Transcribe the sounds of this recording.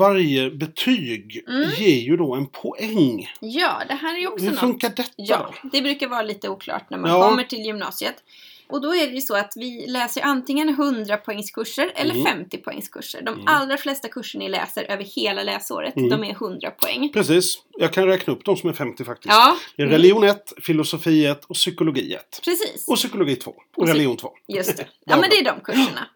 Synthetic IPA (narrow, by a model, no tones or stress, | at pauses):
vaɾjəbɛt̪ʰyːɡjeːɾjɵd̪ɔɛnpʰɔʔɛŋjɑːd̪ɛɦæːɾæjɔkshɔnfɵŋkːaɖɛt̪ːjːaːd̪ɔ̰d̪ɛbɾʉ̟ːkaɾvɑːɾaliːt̪əuːkʰlɑ̰ːʈnæ̰ɾmaɔmːəʈʰɪljʏmnɑ̰ːsɪət̪ | ʔɔd̪ɔæɖɛjɵsɔat̪vɪlɛːsəɾjʔant̪ɪŋːənɦɵnd̪ɾapʰɔɛŋːskʰɵʂːəɾɛ̰lːəɾfɛmt̪ɪpʰɔɛ̰ŋːskʰɵ̰ʂːə̰ɖɔmʔalɾaflɛst̪akʰɵʂːəɳaɪlɛ̰ːsəɾʔøːvəɾheːlalɛːso̰ːɾə̰t̪d̪ɔmæɾɦɵnd̪ɾa̰pʰɔɛ̰ŋːpʰɾɛsiːsɔjɑːɡkʰanɾɛːknaɵpːd̪ɔmsɔmæɾfɛmt̪ɪfak̚t̪ɪɑːd̪̥ɛæɾɾɛlɪuːnɛt̪ːfɪlʊsʊfiːət̪ʰɔsʏkʊlʊɡḭːɛ̰t̪ːpʰɾɛsḭːsɔsʏkʊlʊɡiːt̪ʰvo̰ː | ɔɾɛlɪuːnt̪vo̰ːjɵst̪ɛjɑ̰mɛnd̪ɛæɖɔmkʰɵʂːəɳa̰